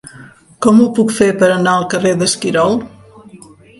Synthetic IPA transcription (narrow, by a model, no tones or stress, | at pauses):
kɔmupukfepəɾənaəlˠkəreðəskiɾɔlˠ